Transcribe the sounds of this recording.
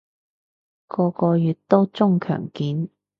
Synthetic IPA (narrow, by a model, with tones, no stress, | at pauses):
kɔː˧kɔː˧jyː˨t̚t̪o˥wt͡sʊ˥ŋkʰœ̰ː˨˩ŋkiː˨˥n